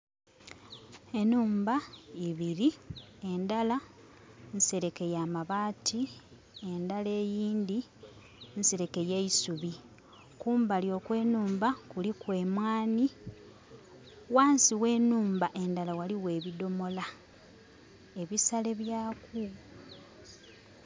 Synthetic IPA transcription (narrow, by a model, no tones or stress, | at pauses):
e̞nuːmbaiβiɾie̞ndala | nse̞ɾe̞ke̞jaːmaβaːtʰi | e̞ndale̞ːjiːndi | nse̞ɾe̞ke̞jejisuβi | kuːmbaljo̞ːkwe̞ːnuːmbakulikwe̞ːmwaːni | waːnsiwe̞ːnuːmbaʔe̞ndalawaliwe̞ːβido̞mo̞la | e̞βisale̞βjaːku